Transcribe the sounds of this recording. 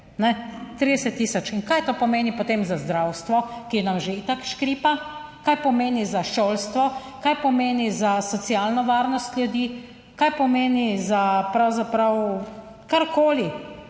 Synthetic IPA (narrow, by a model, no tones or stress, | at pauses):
nɛt̪ɾid̪ɛsɛt̪ːiːsɔt͡ʃinkajt̪oːpɔmeːnipot̪eːmzazd̪ɾawst̪ʋɔkiɛnamʒeit̪akʃkɾiːpa | kajpɔmeːnizaʃoːlst̪ʋɔ | kajpɔmeːnizasɔt̪sialnɔʋaːɾnɔst̪ljud̪iː | kajpɔmeːnizapɾawzapɾaw | kaɾkoːli